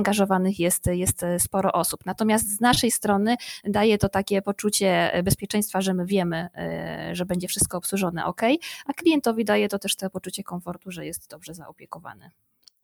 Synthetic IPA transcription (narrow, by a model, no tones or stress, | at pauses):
ŋɡaʐɔvanɘxjɛst̪jɛst̪spɔɾɔʔɔsupnat̪ɔmʲjast̪znaʂɛjst̪ɾɔnɘd̪ajɛt̪ɔt̪akʲɛpɔt͡ʂut͡ɕɛbɛspʲjɛt͡ʂɛ̃j̃st̪faʐɛmɘvʲjɛmɘ | ʐɛbɛɲd͡ʑɛfʂɘst̪̚kɔːpswuʐɔn̪ɛ̰ʔɔ̰kɛjʔaklʲijɛnt̪ɔvʲid̪ajɛt̪ɔt̪ɛʂt̪ɛpɔt͡ʂut͡ɕɛkɔnfɔɾt̪uʐɛjɛst̪d̪ɔbʐɛza̰ʔɔpʲjɛkɔva̰nɘ̰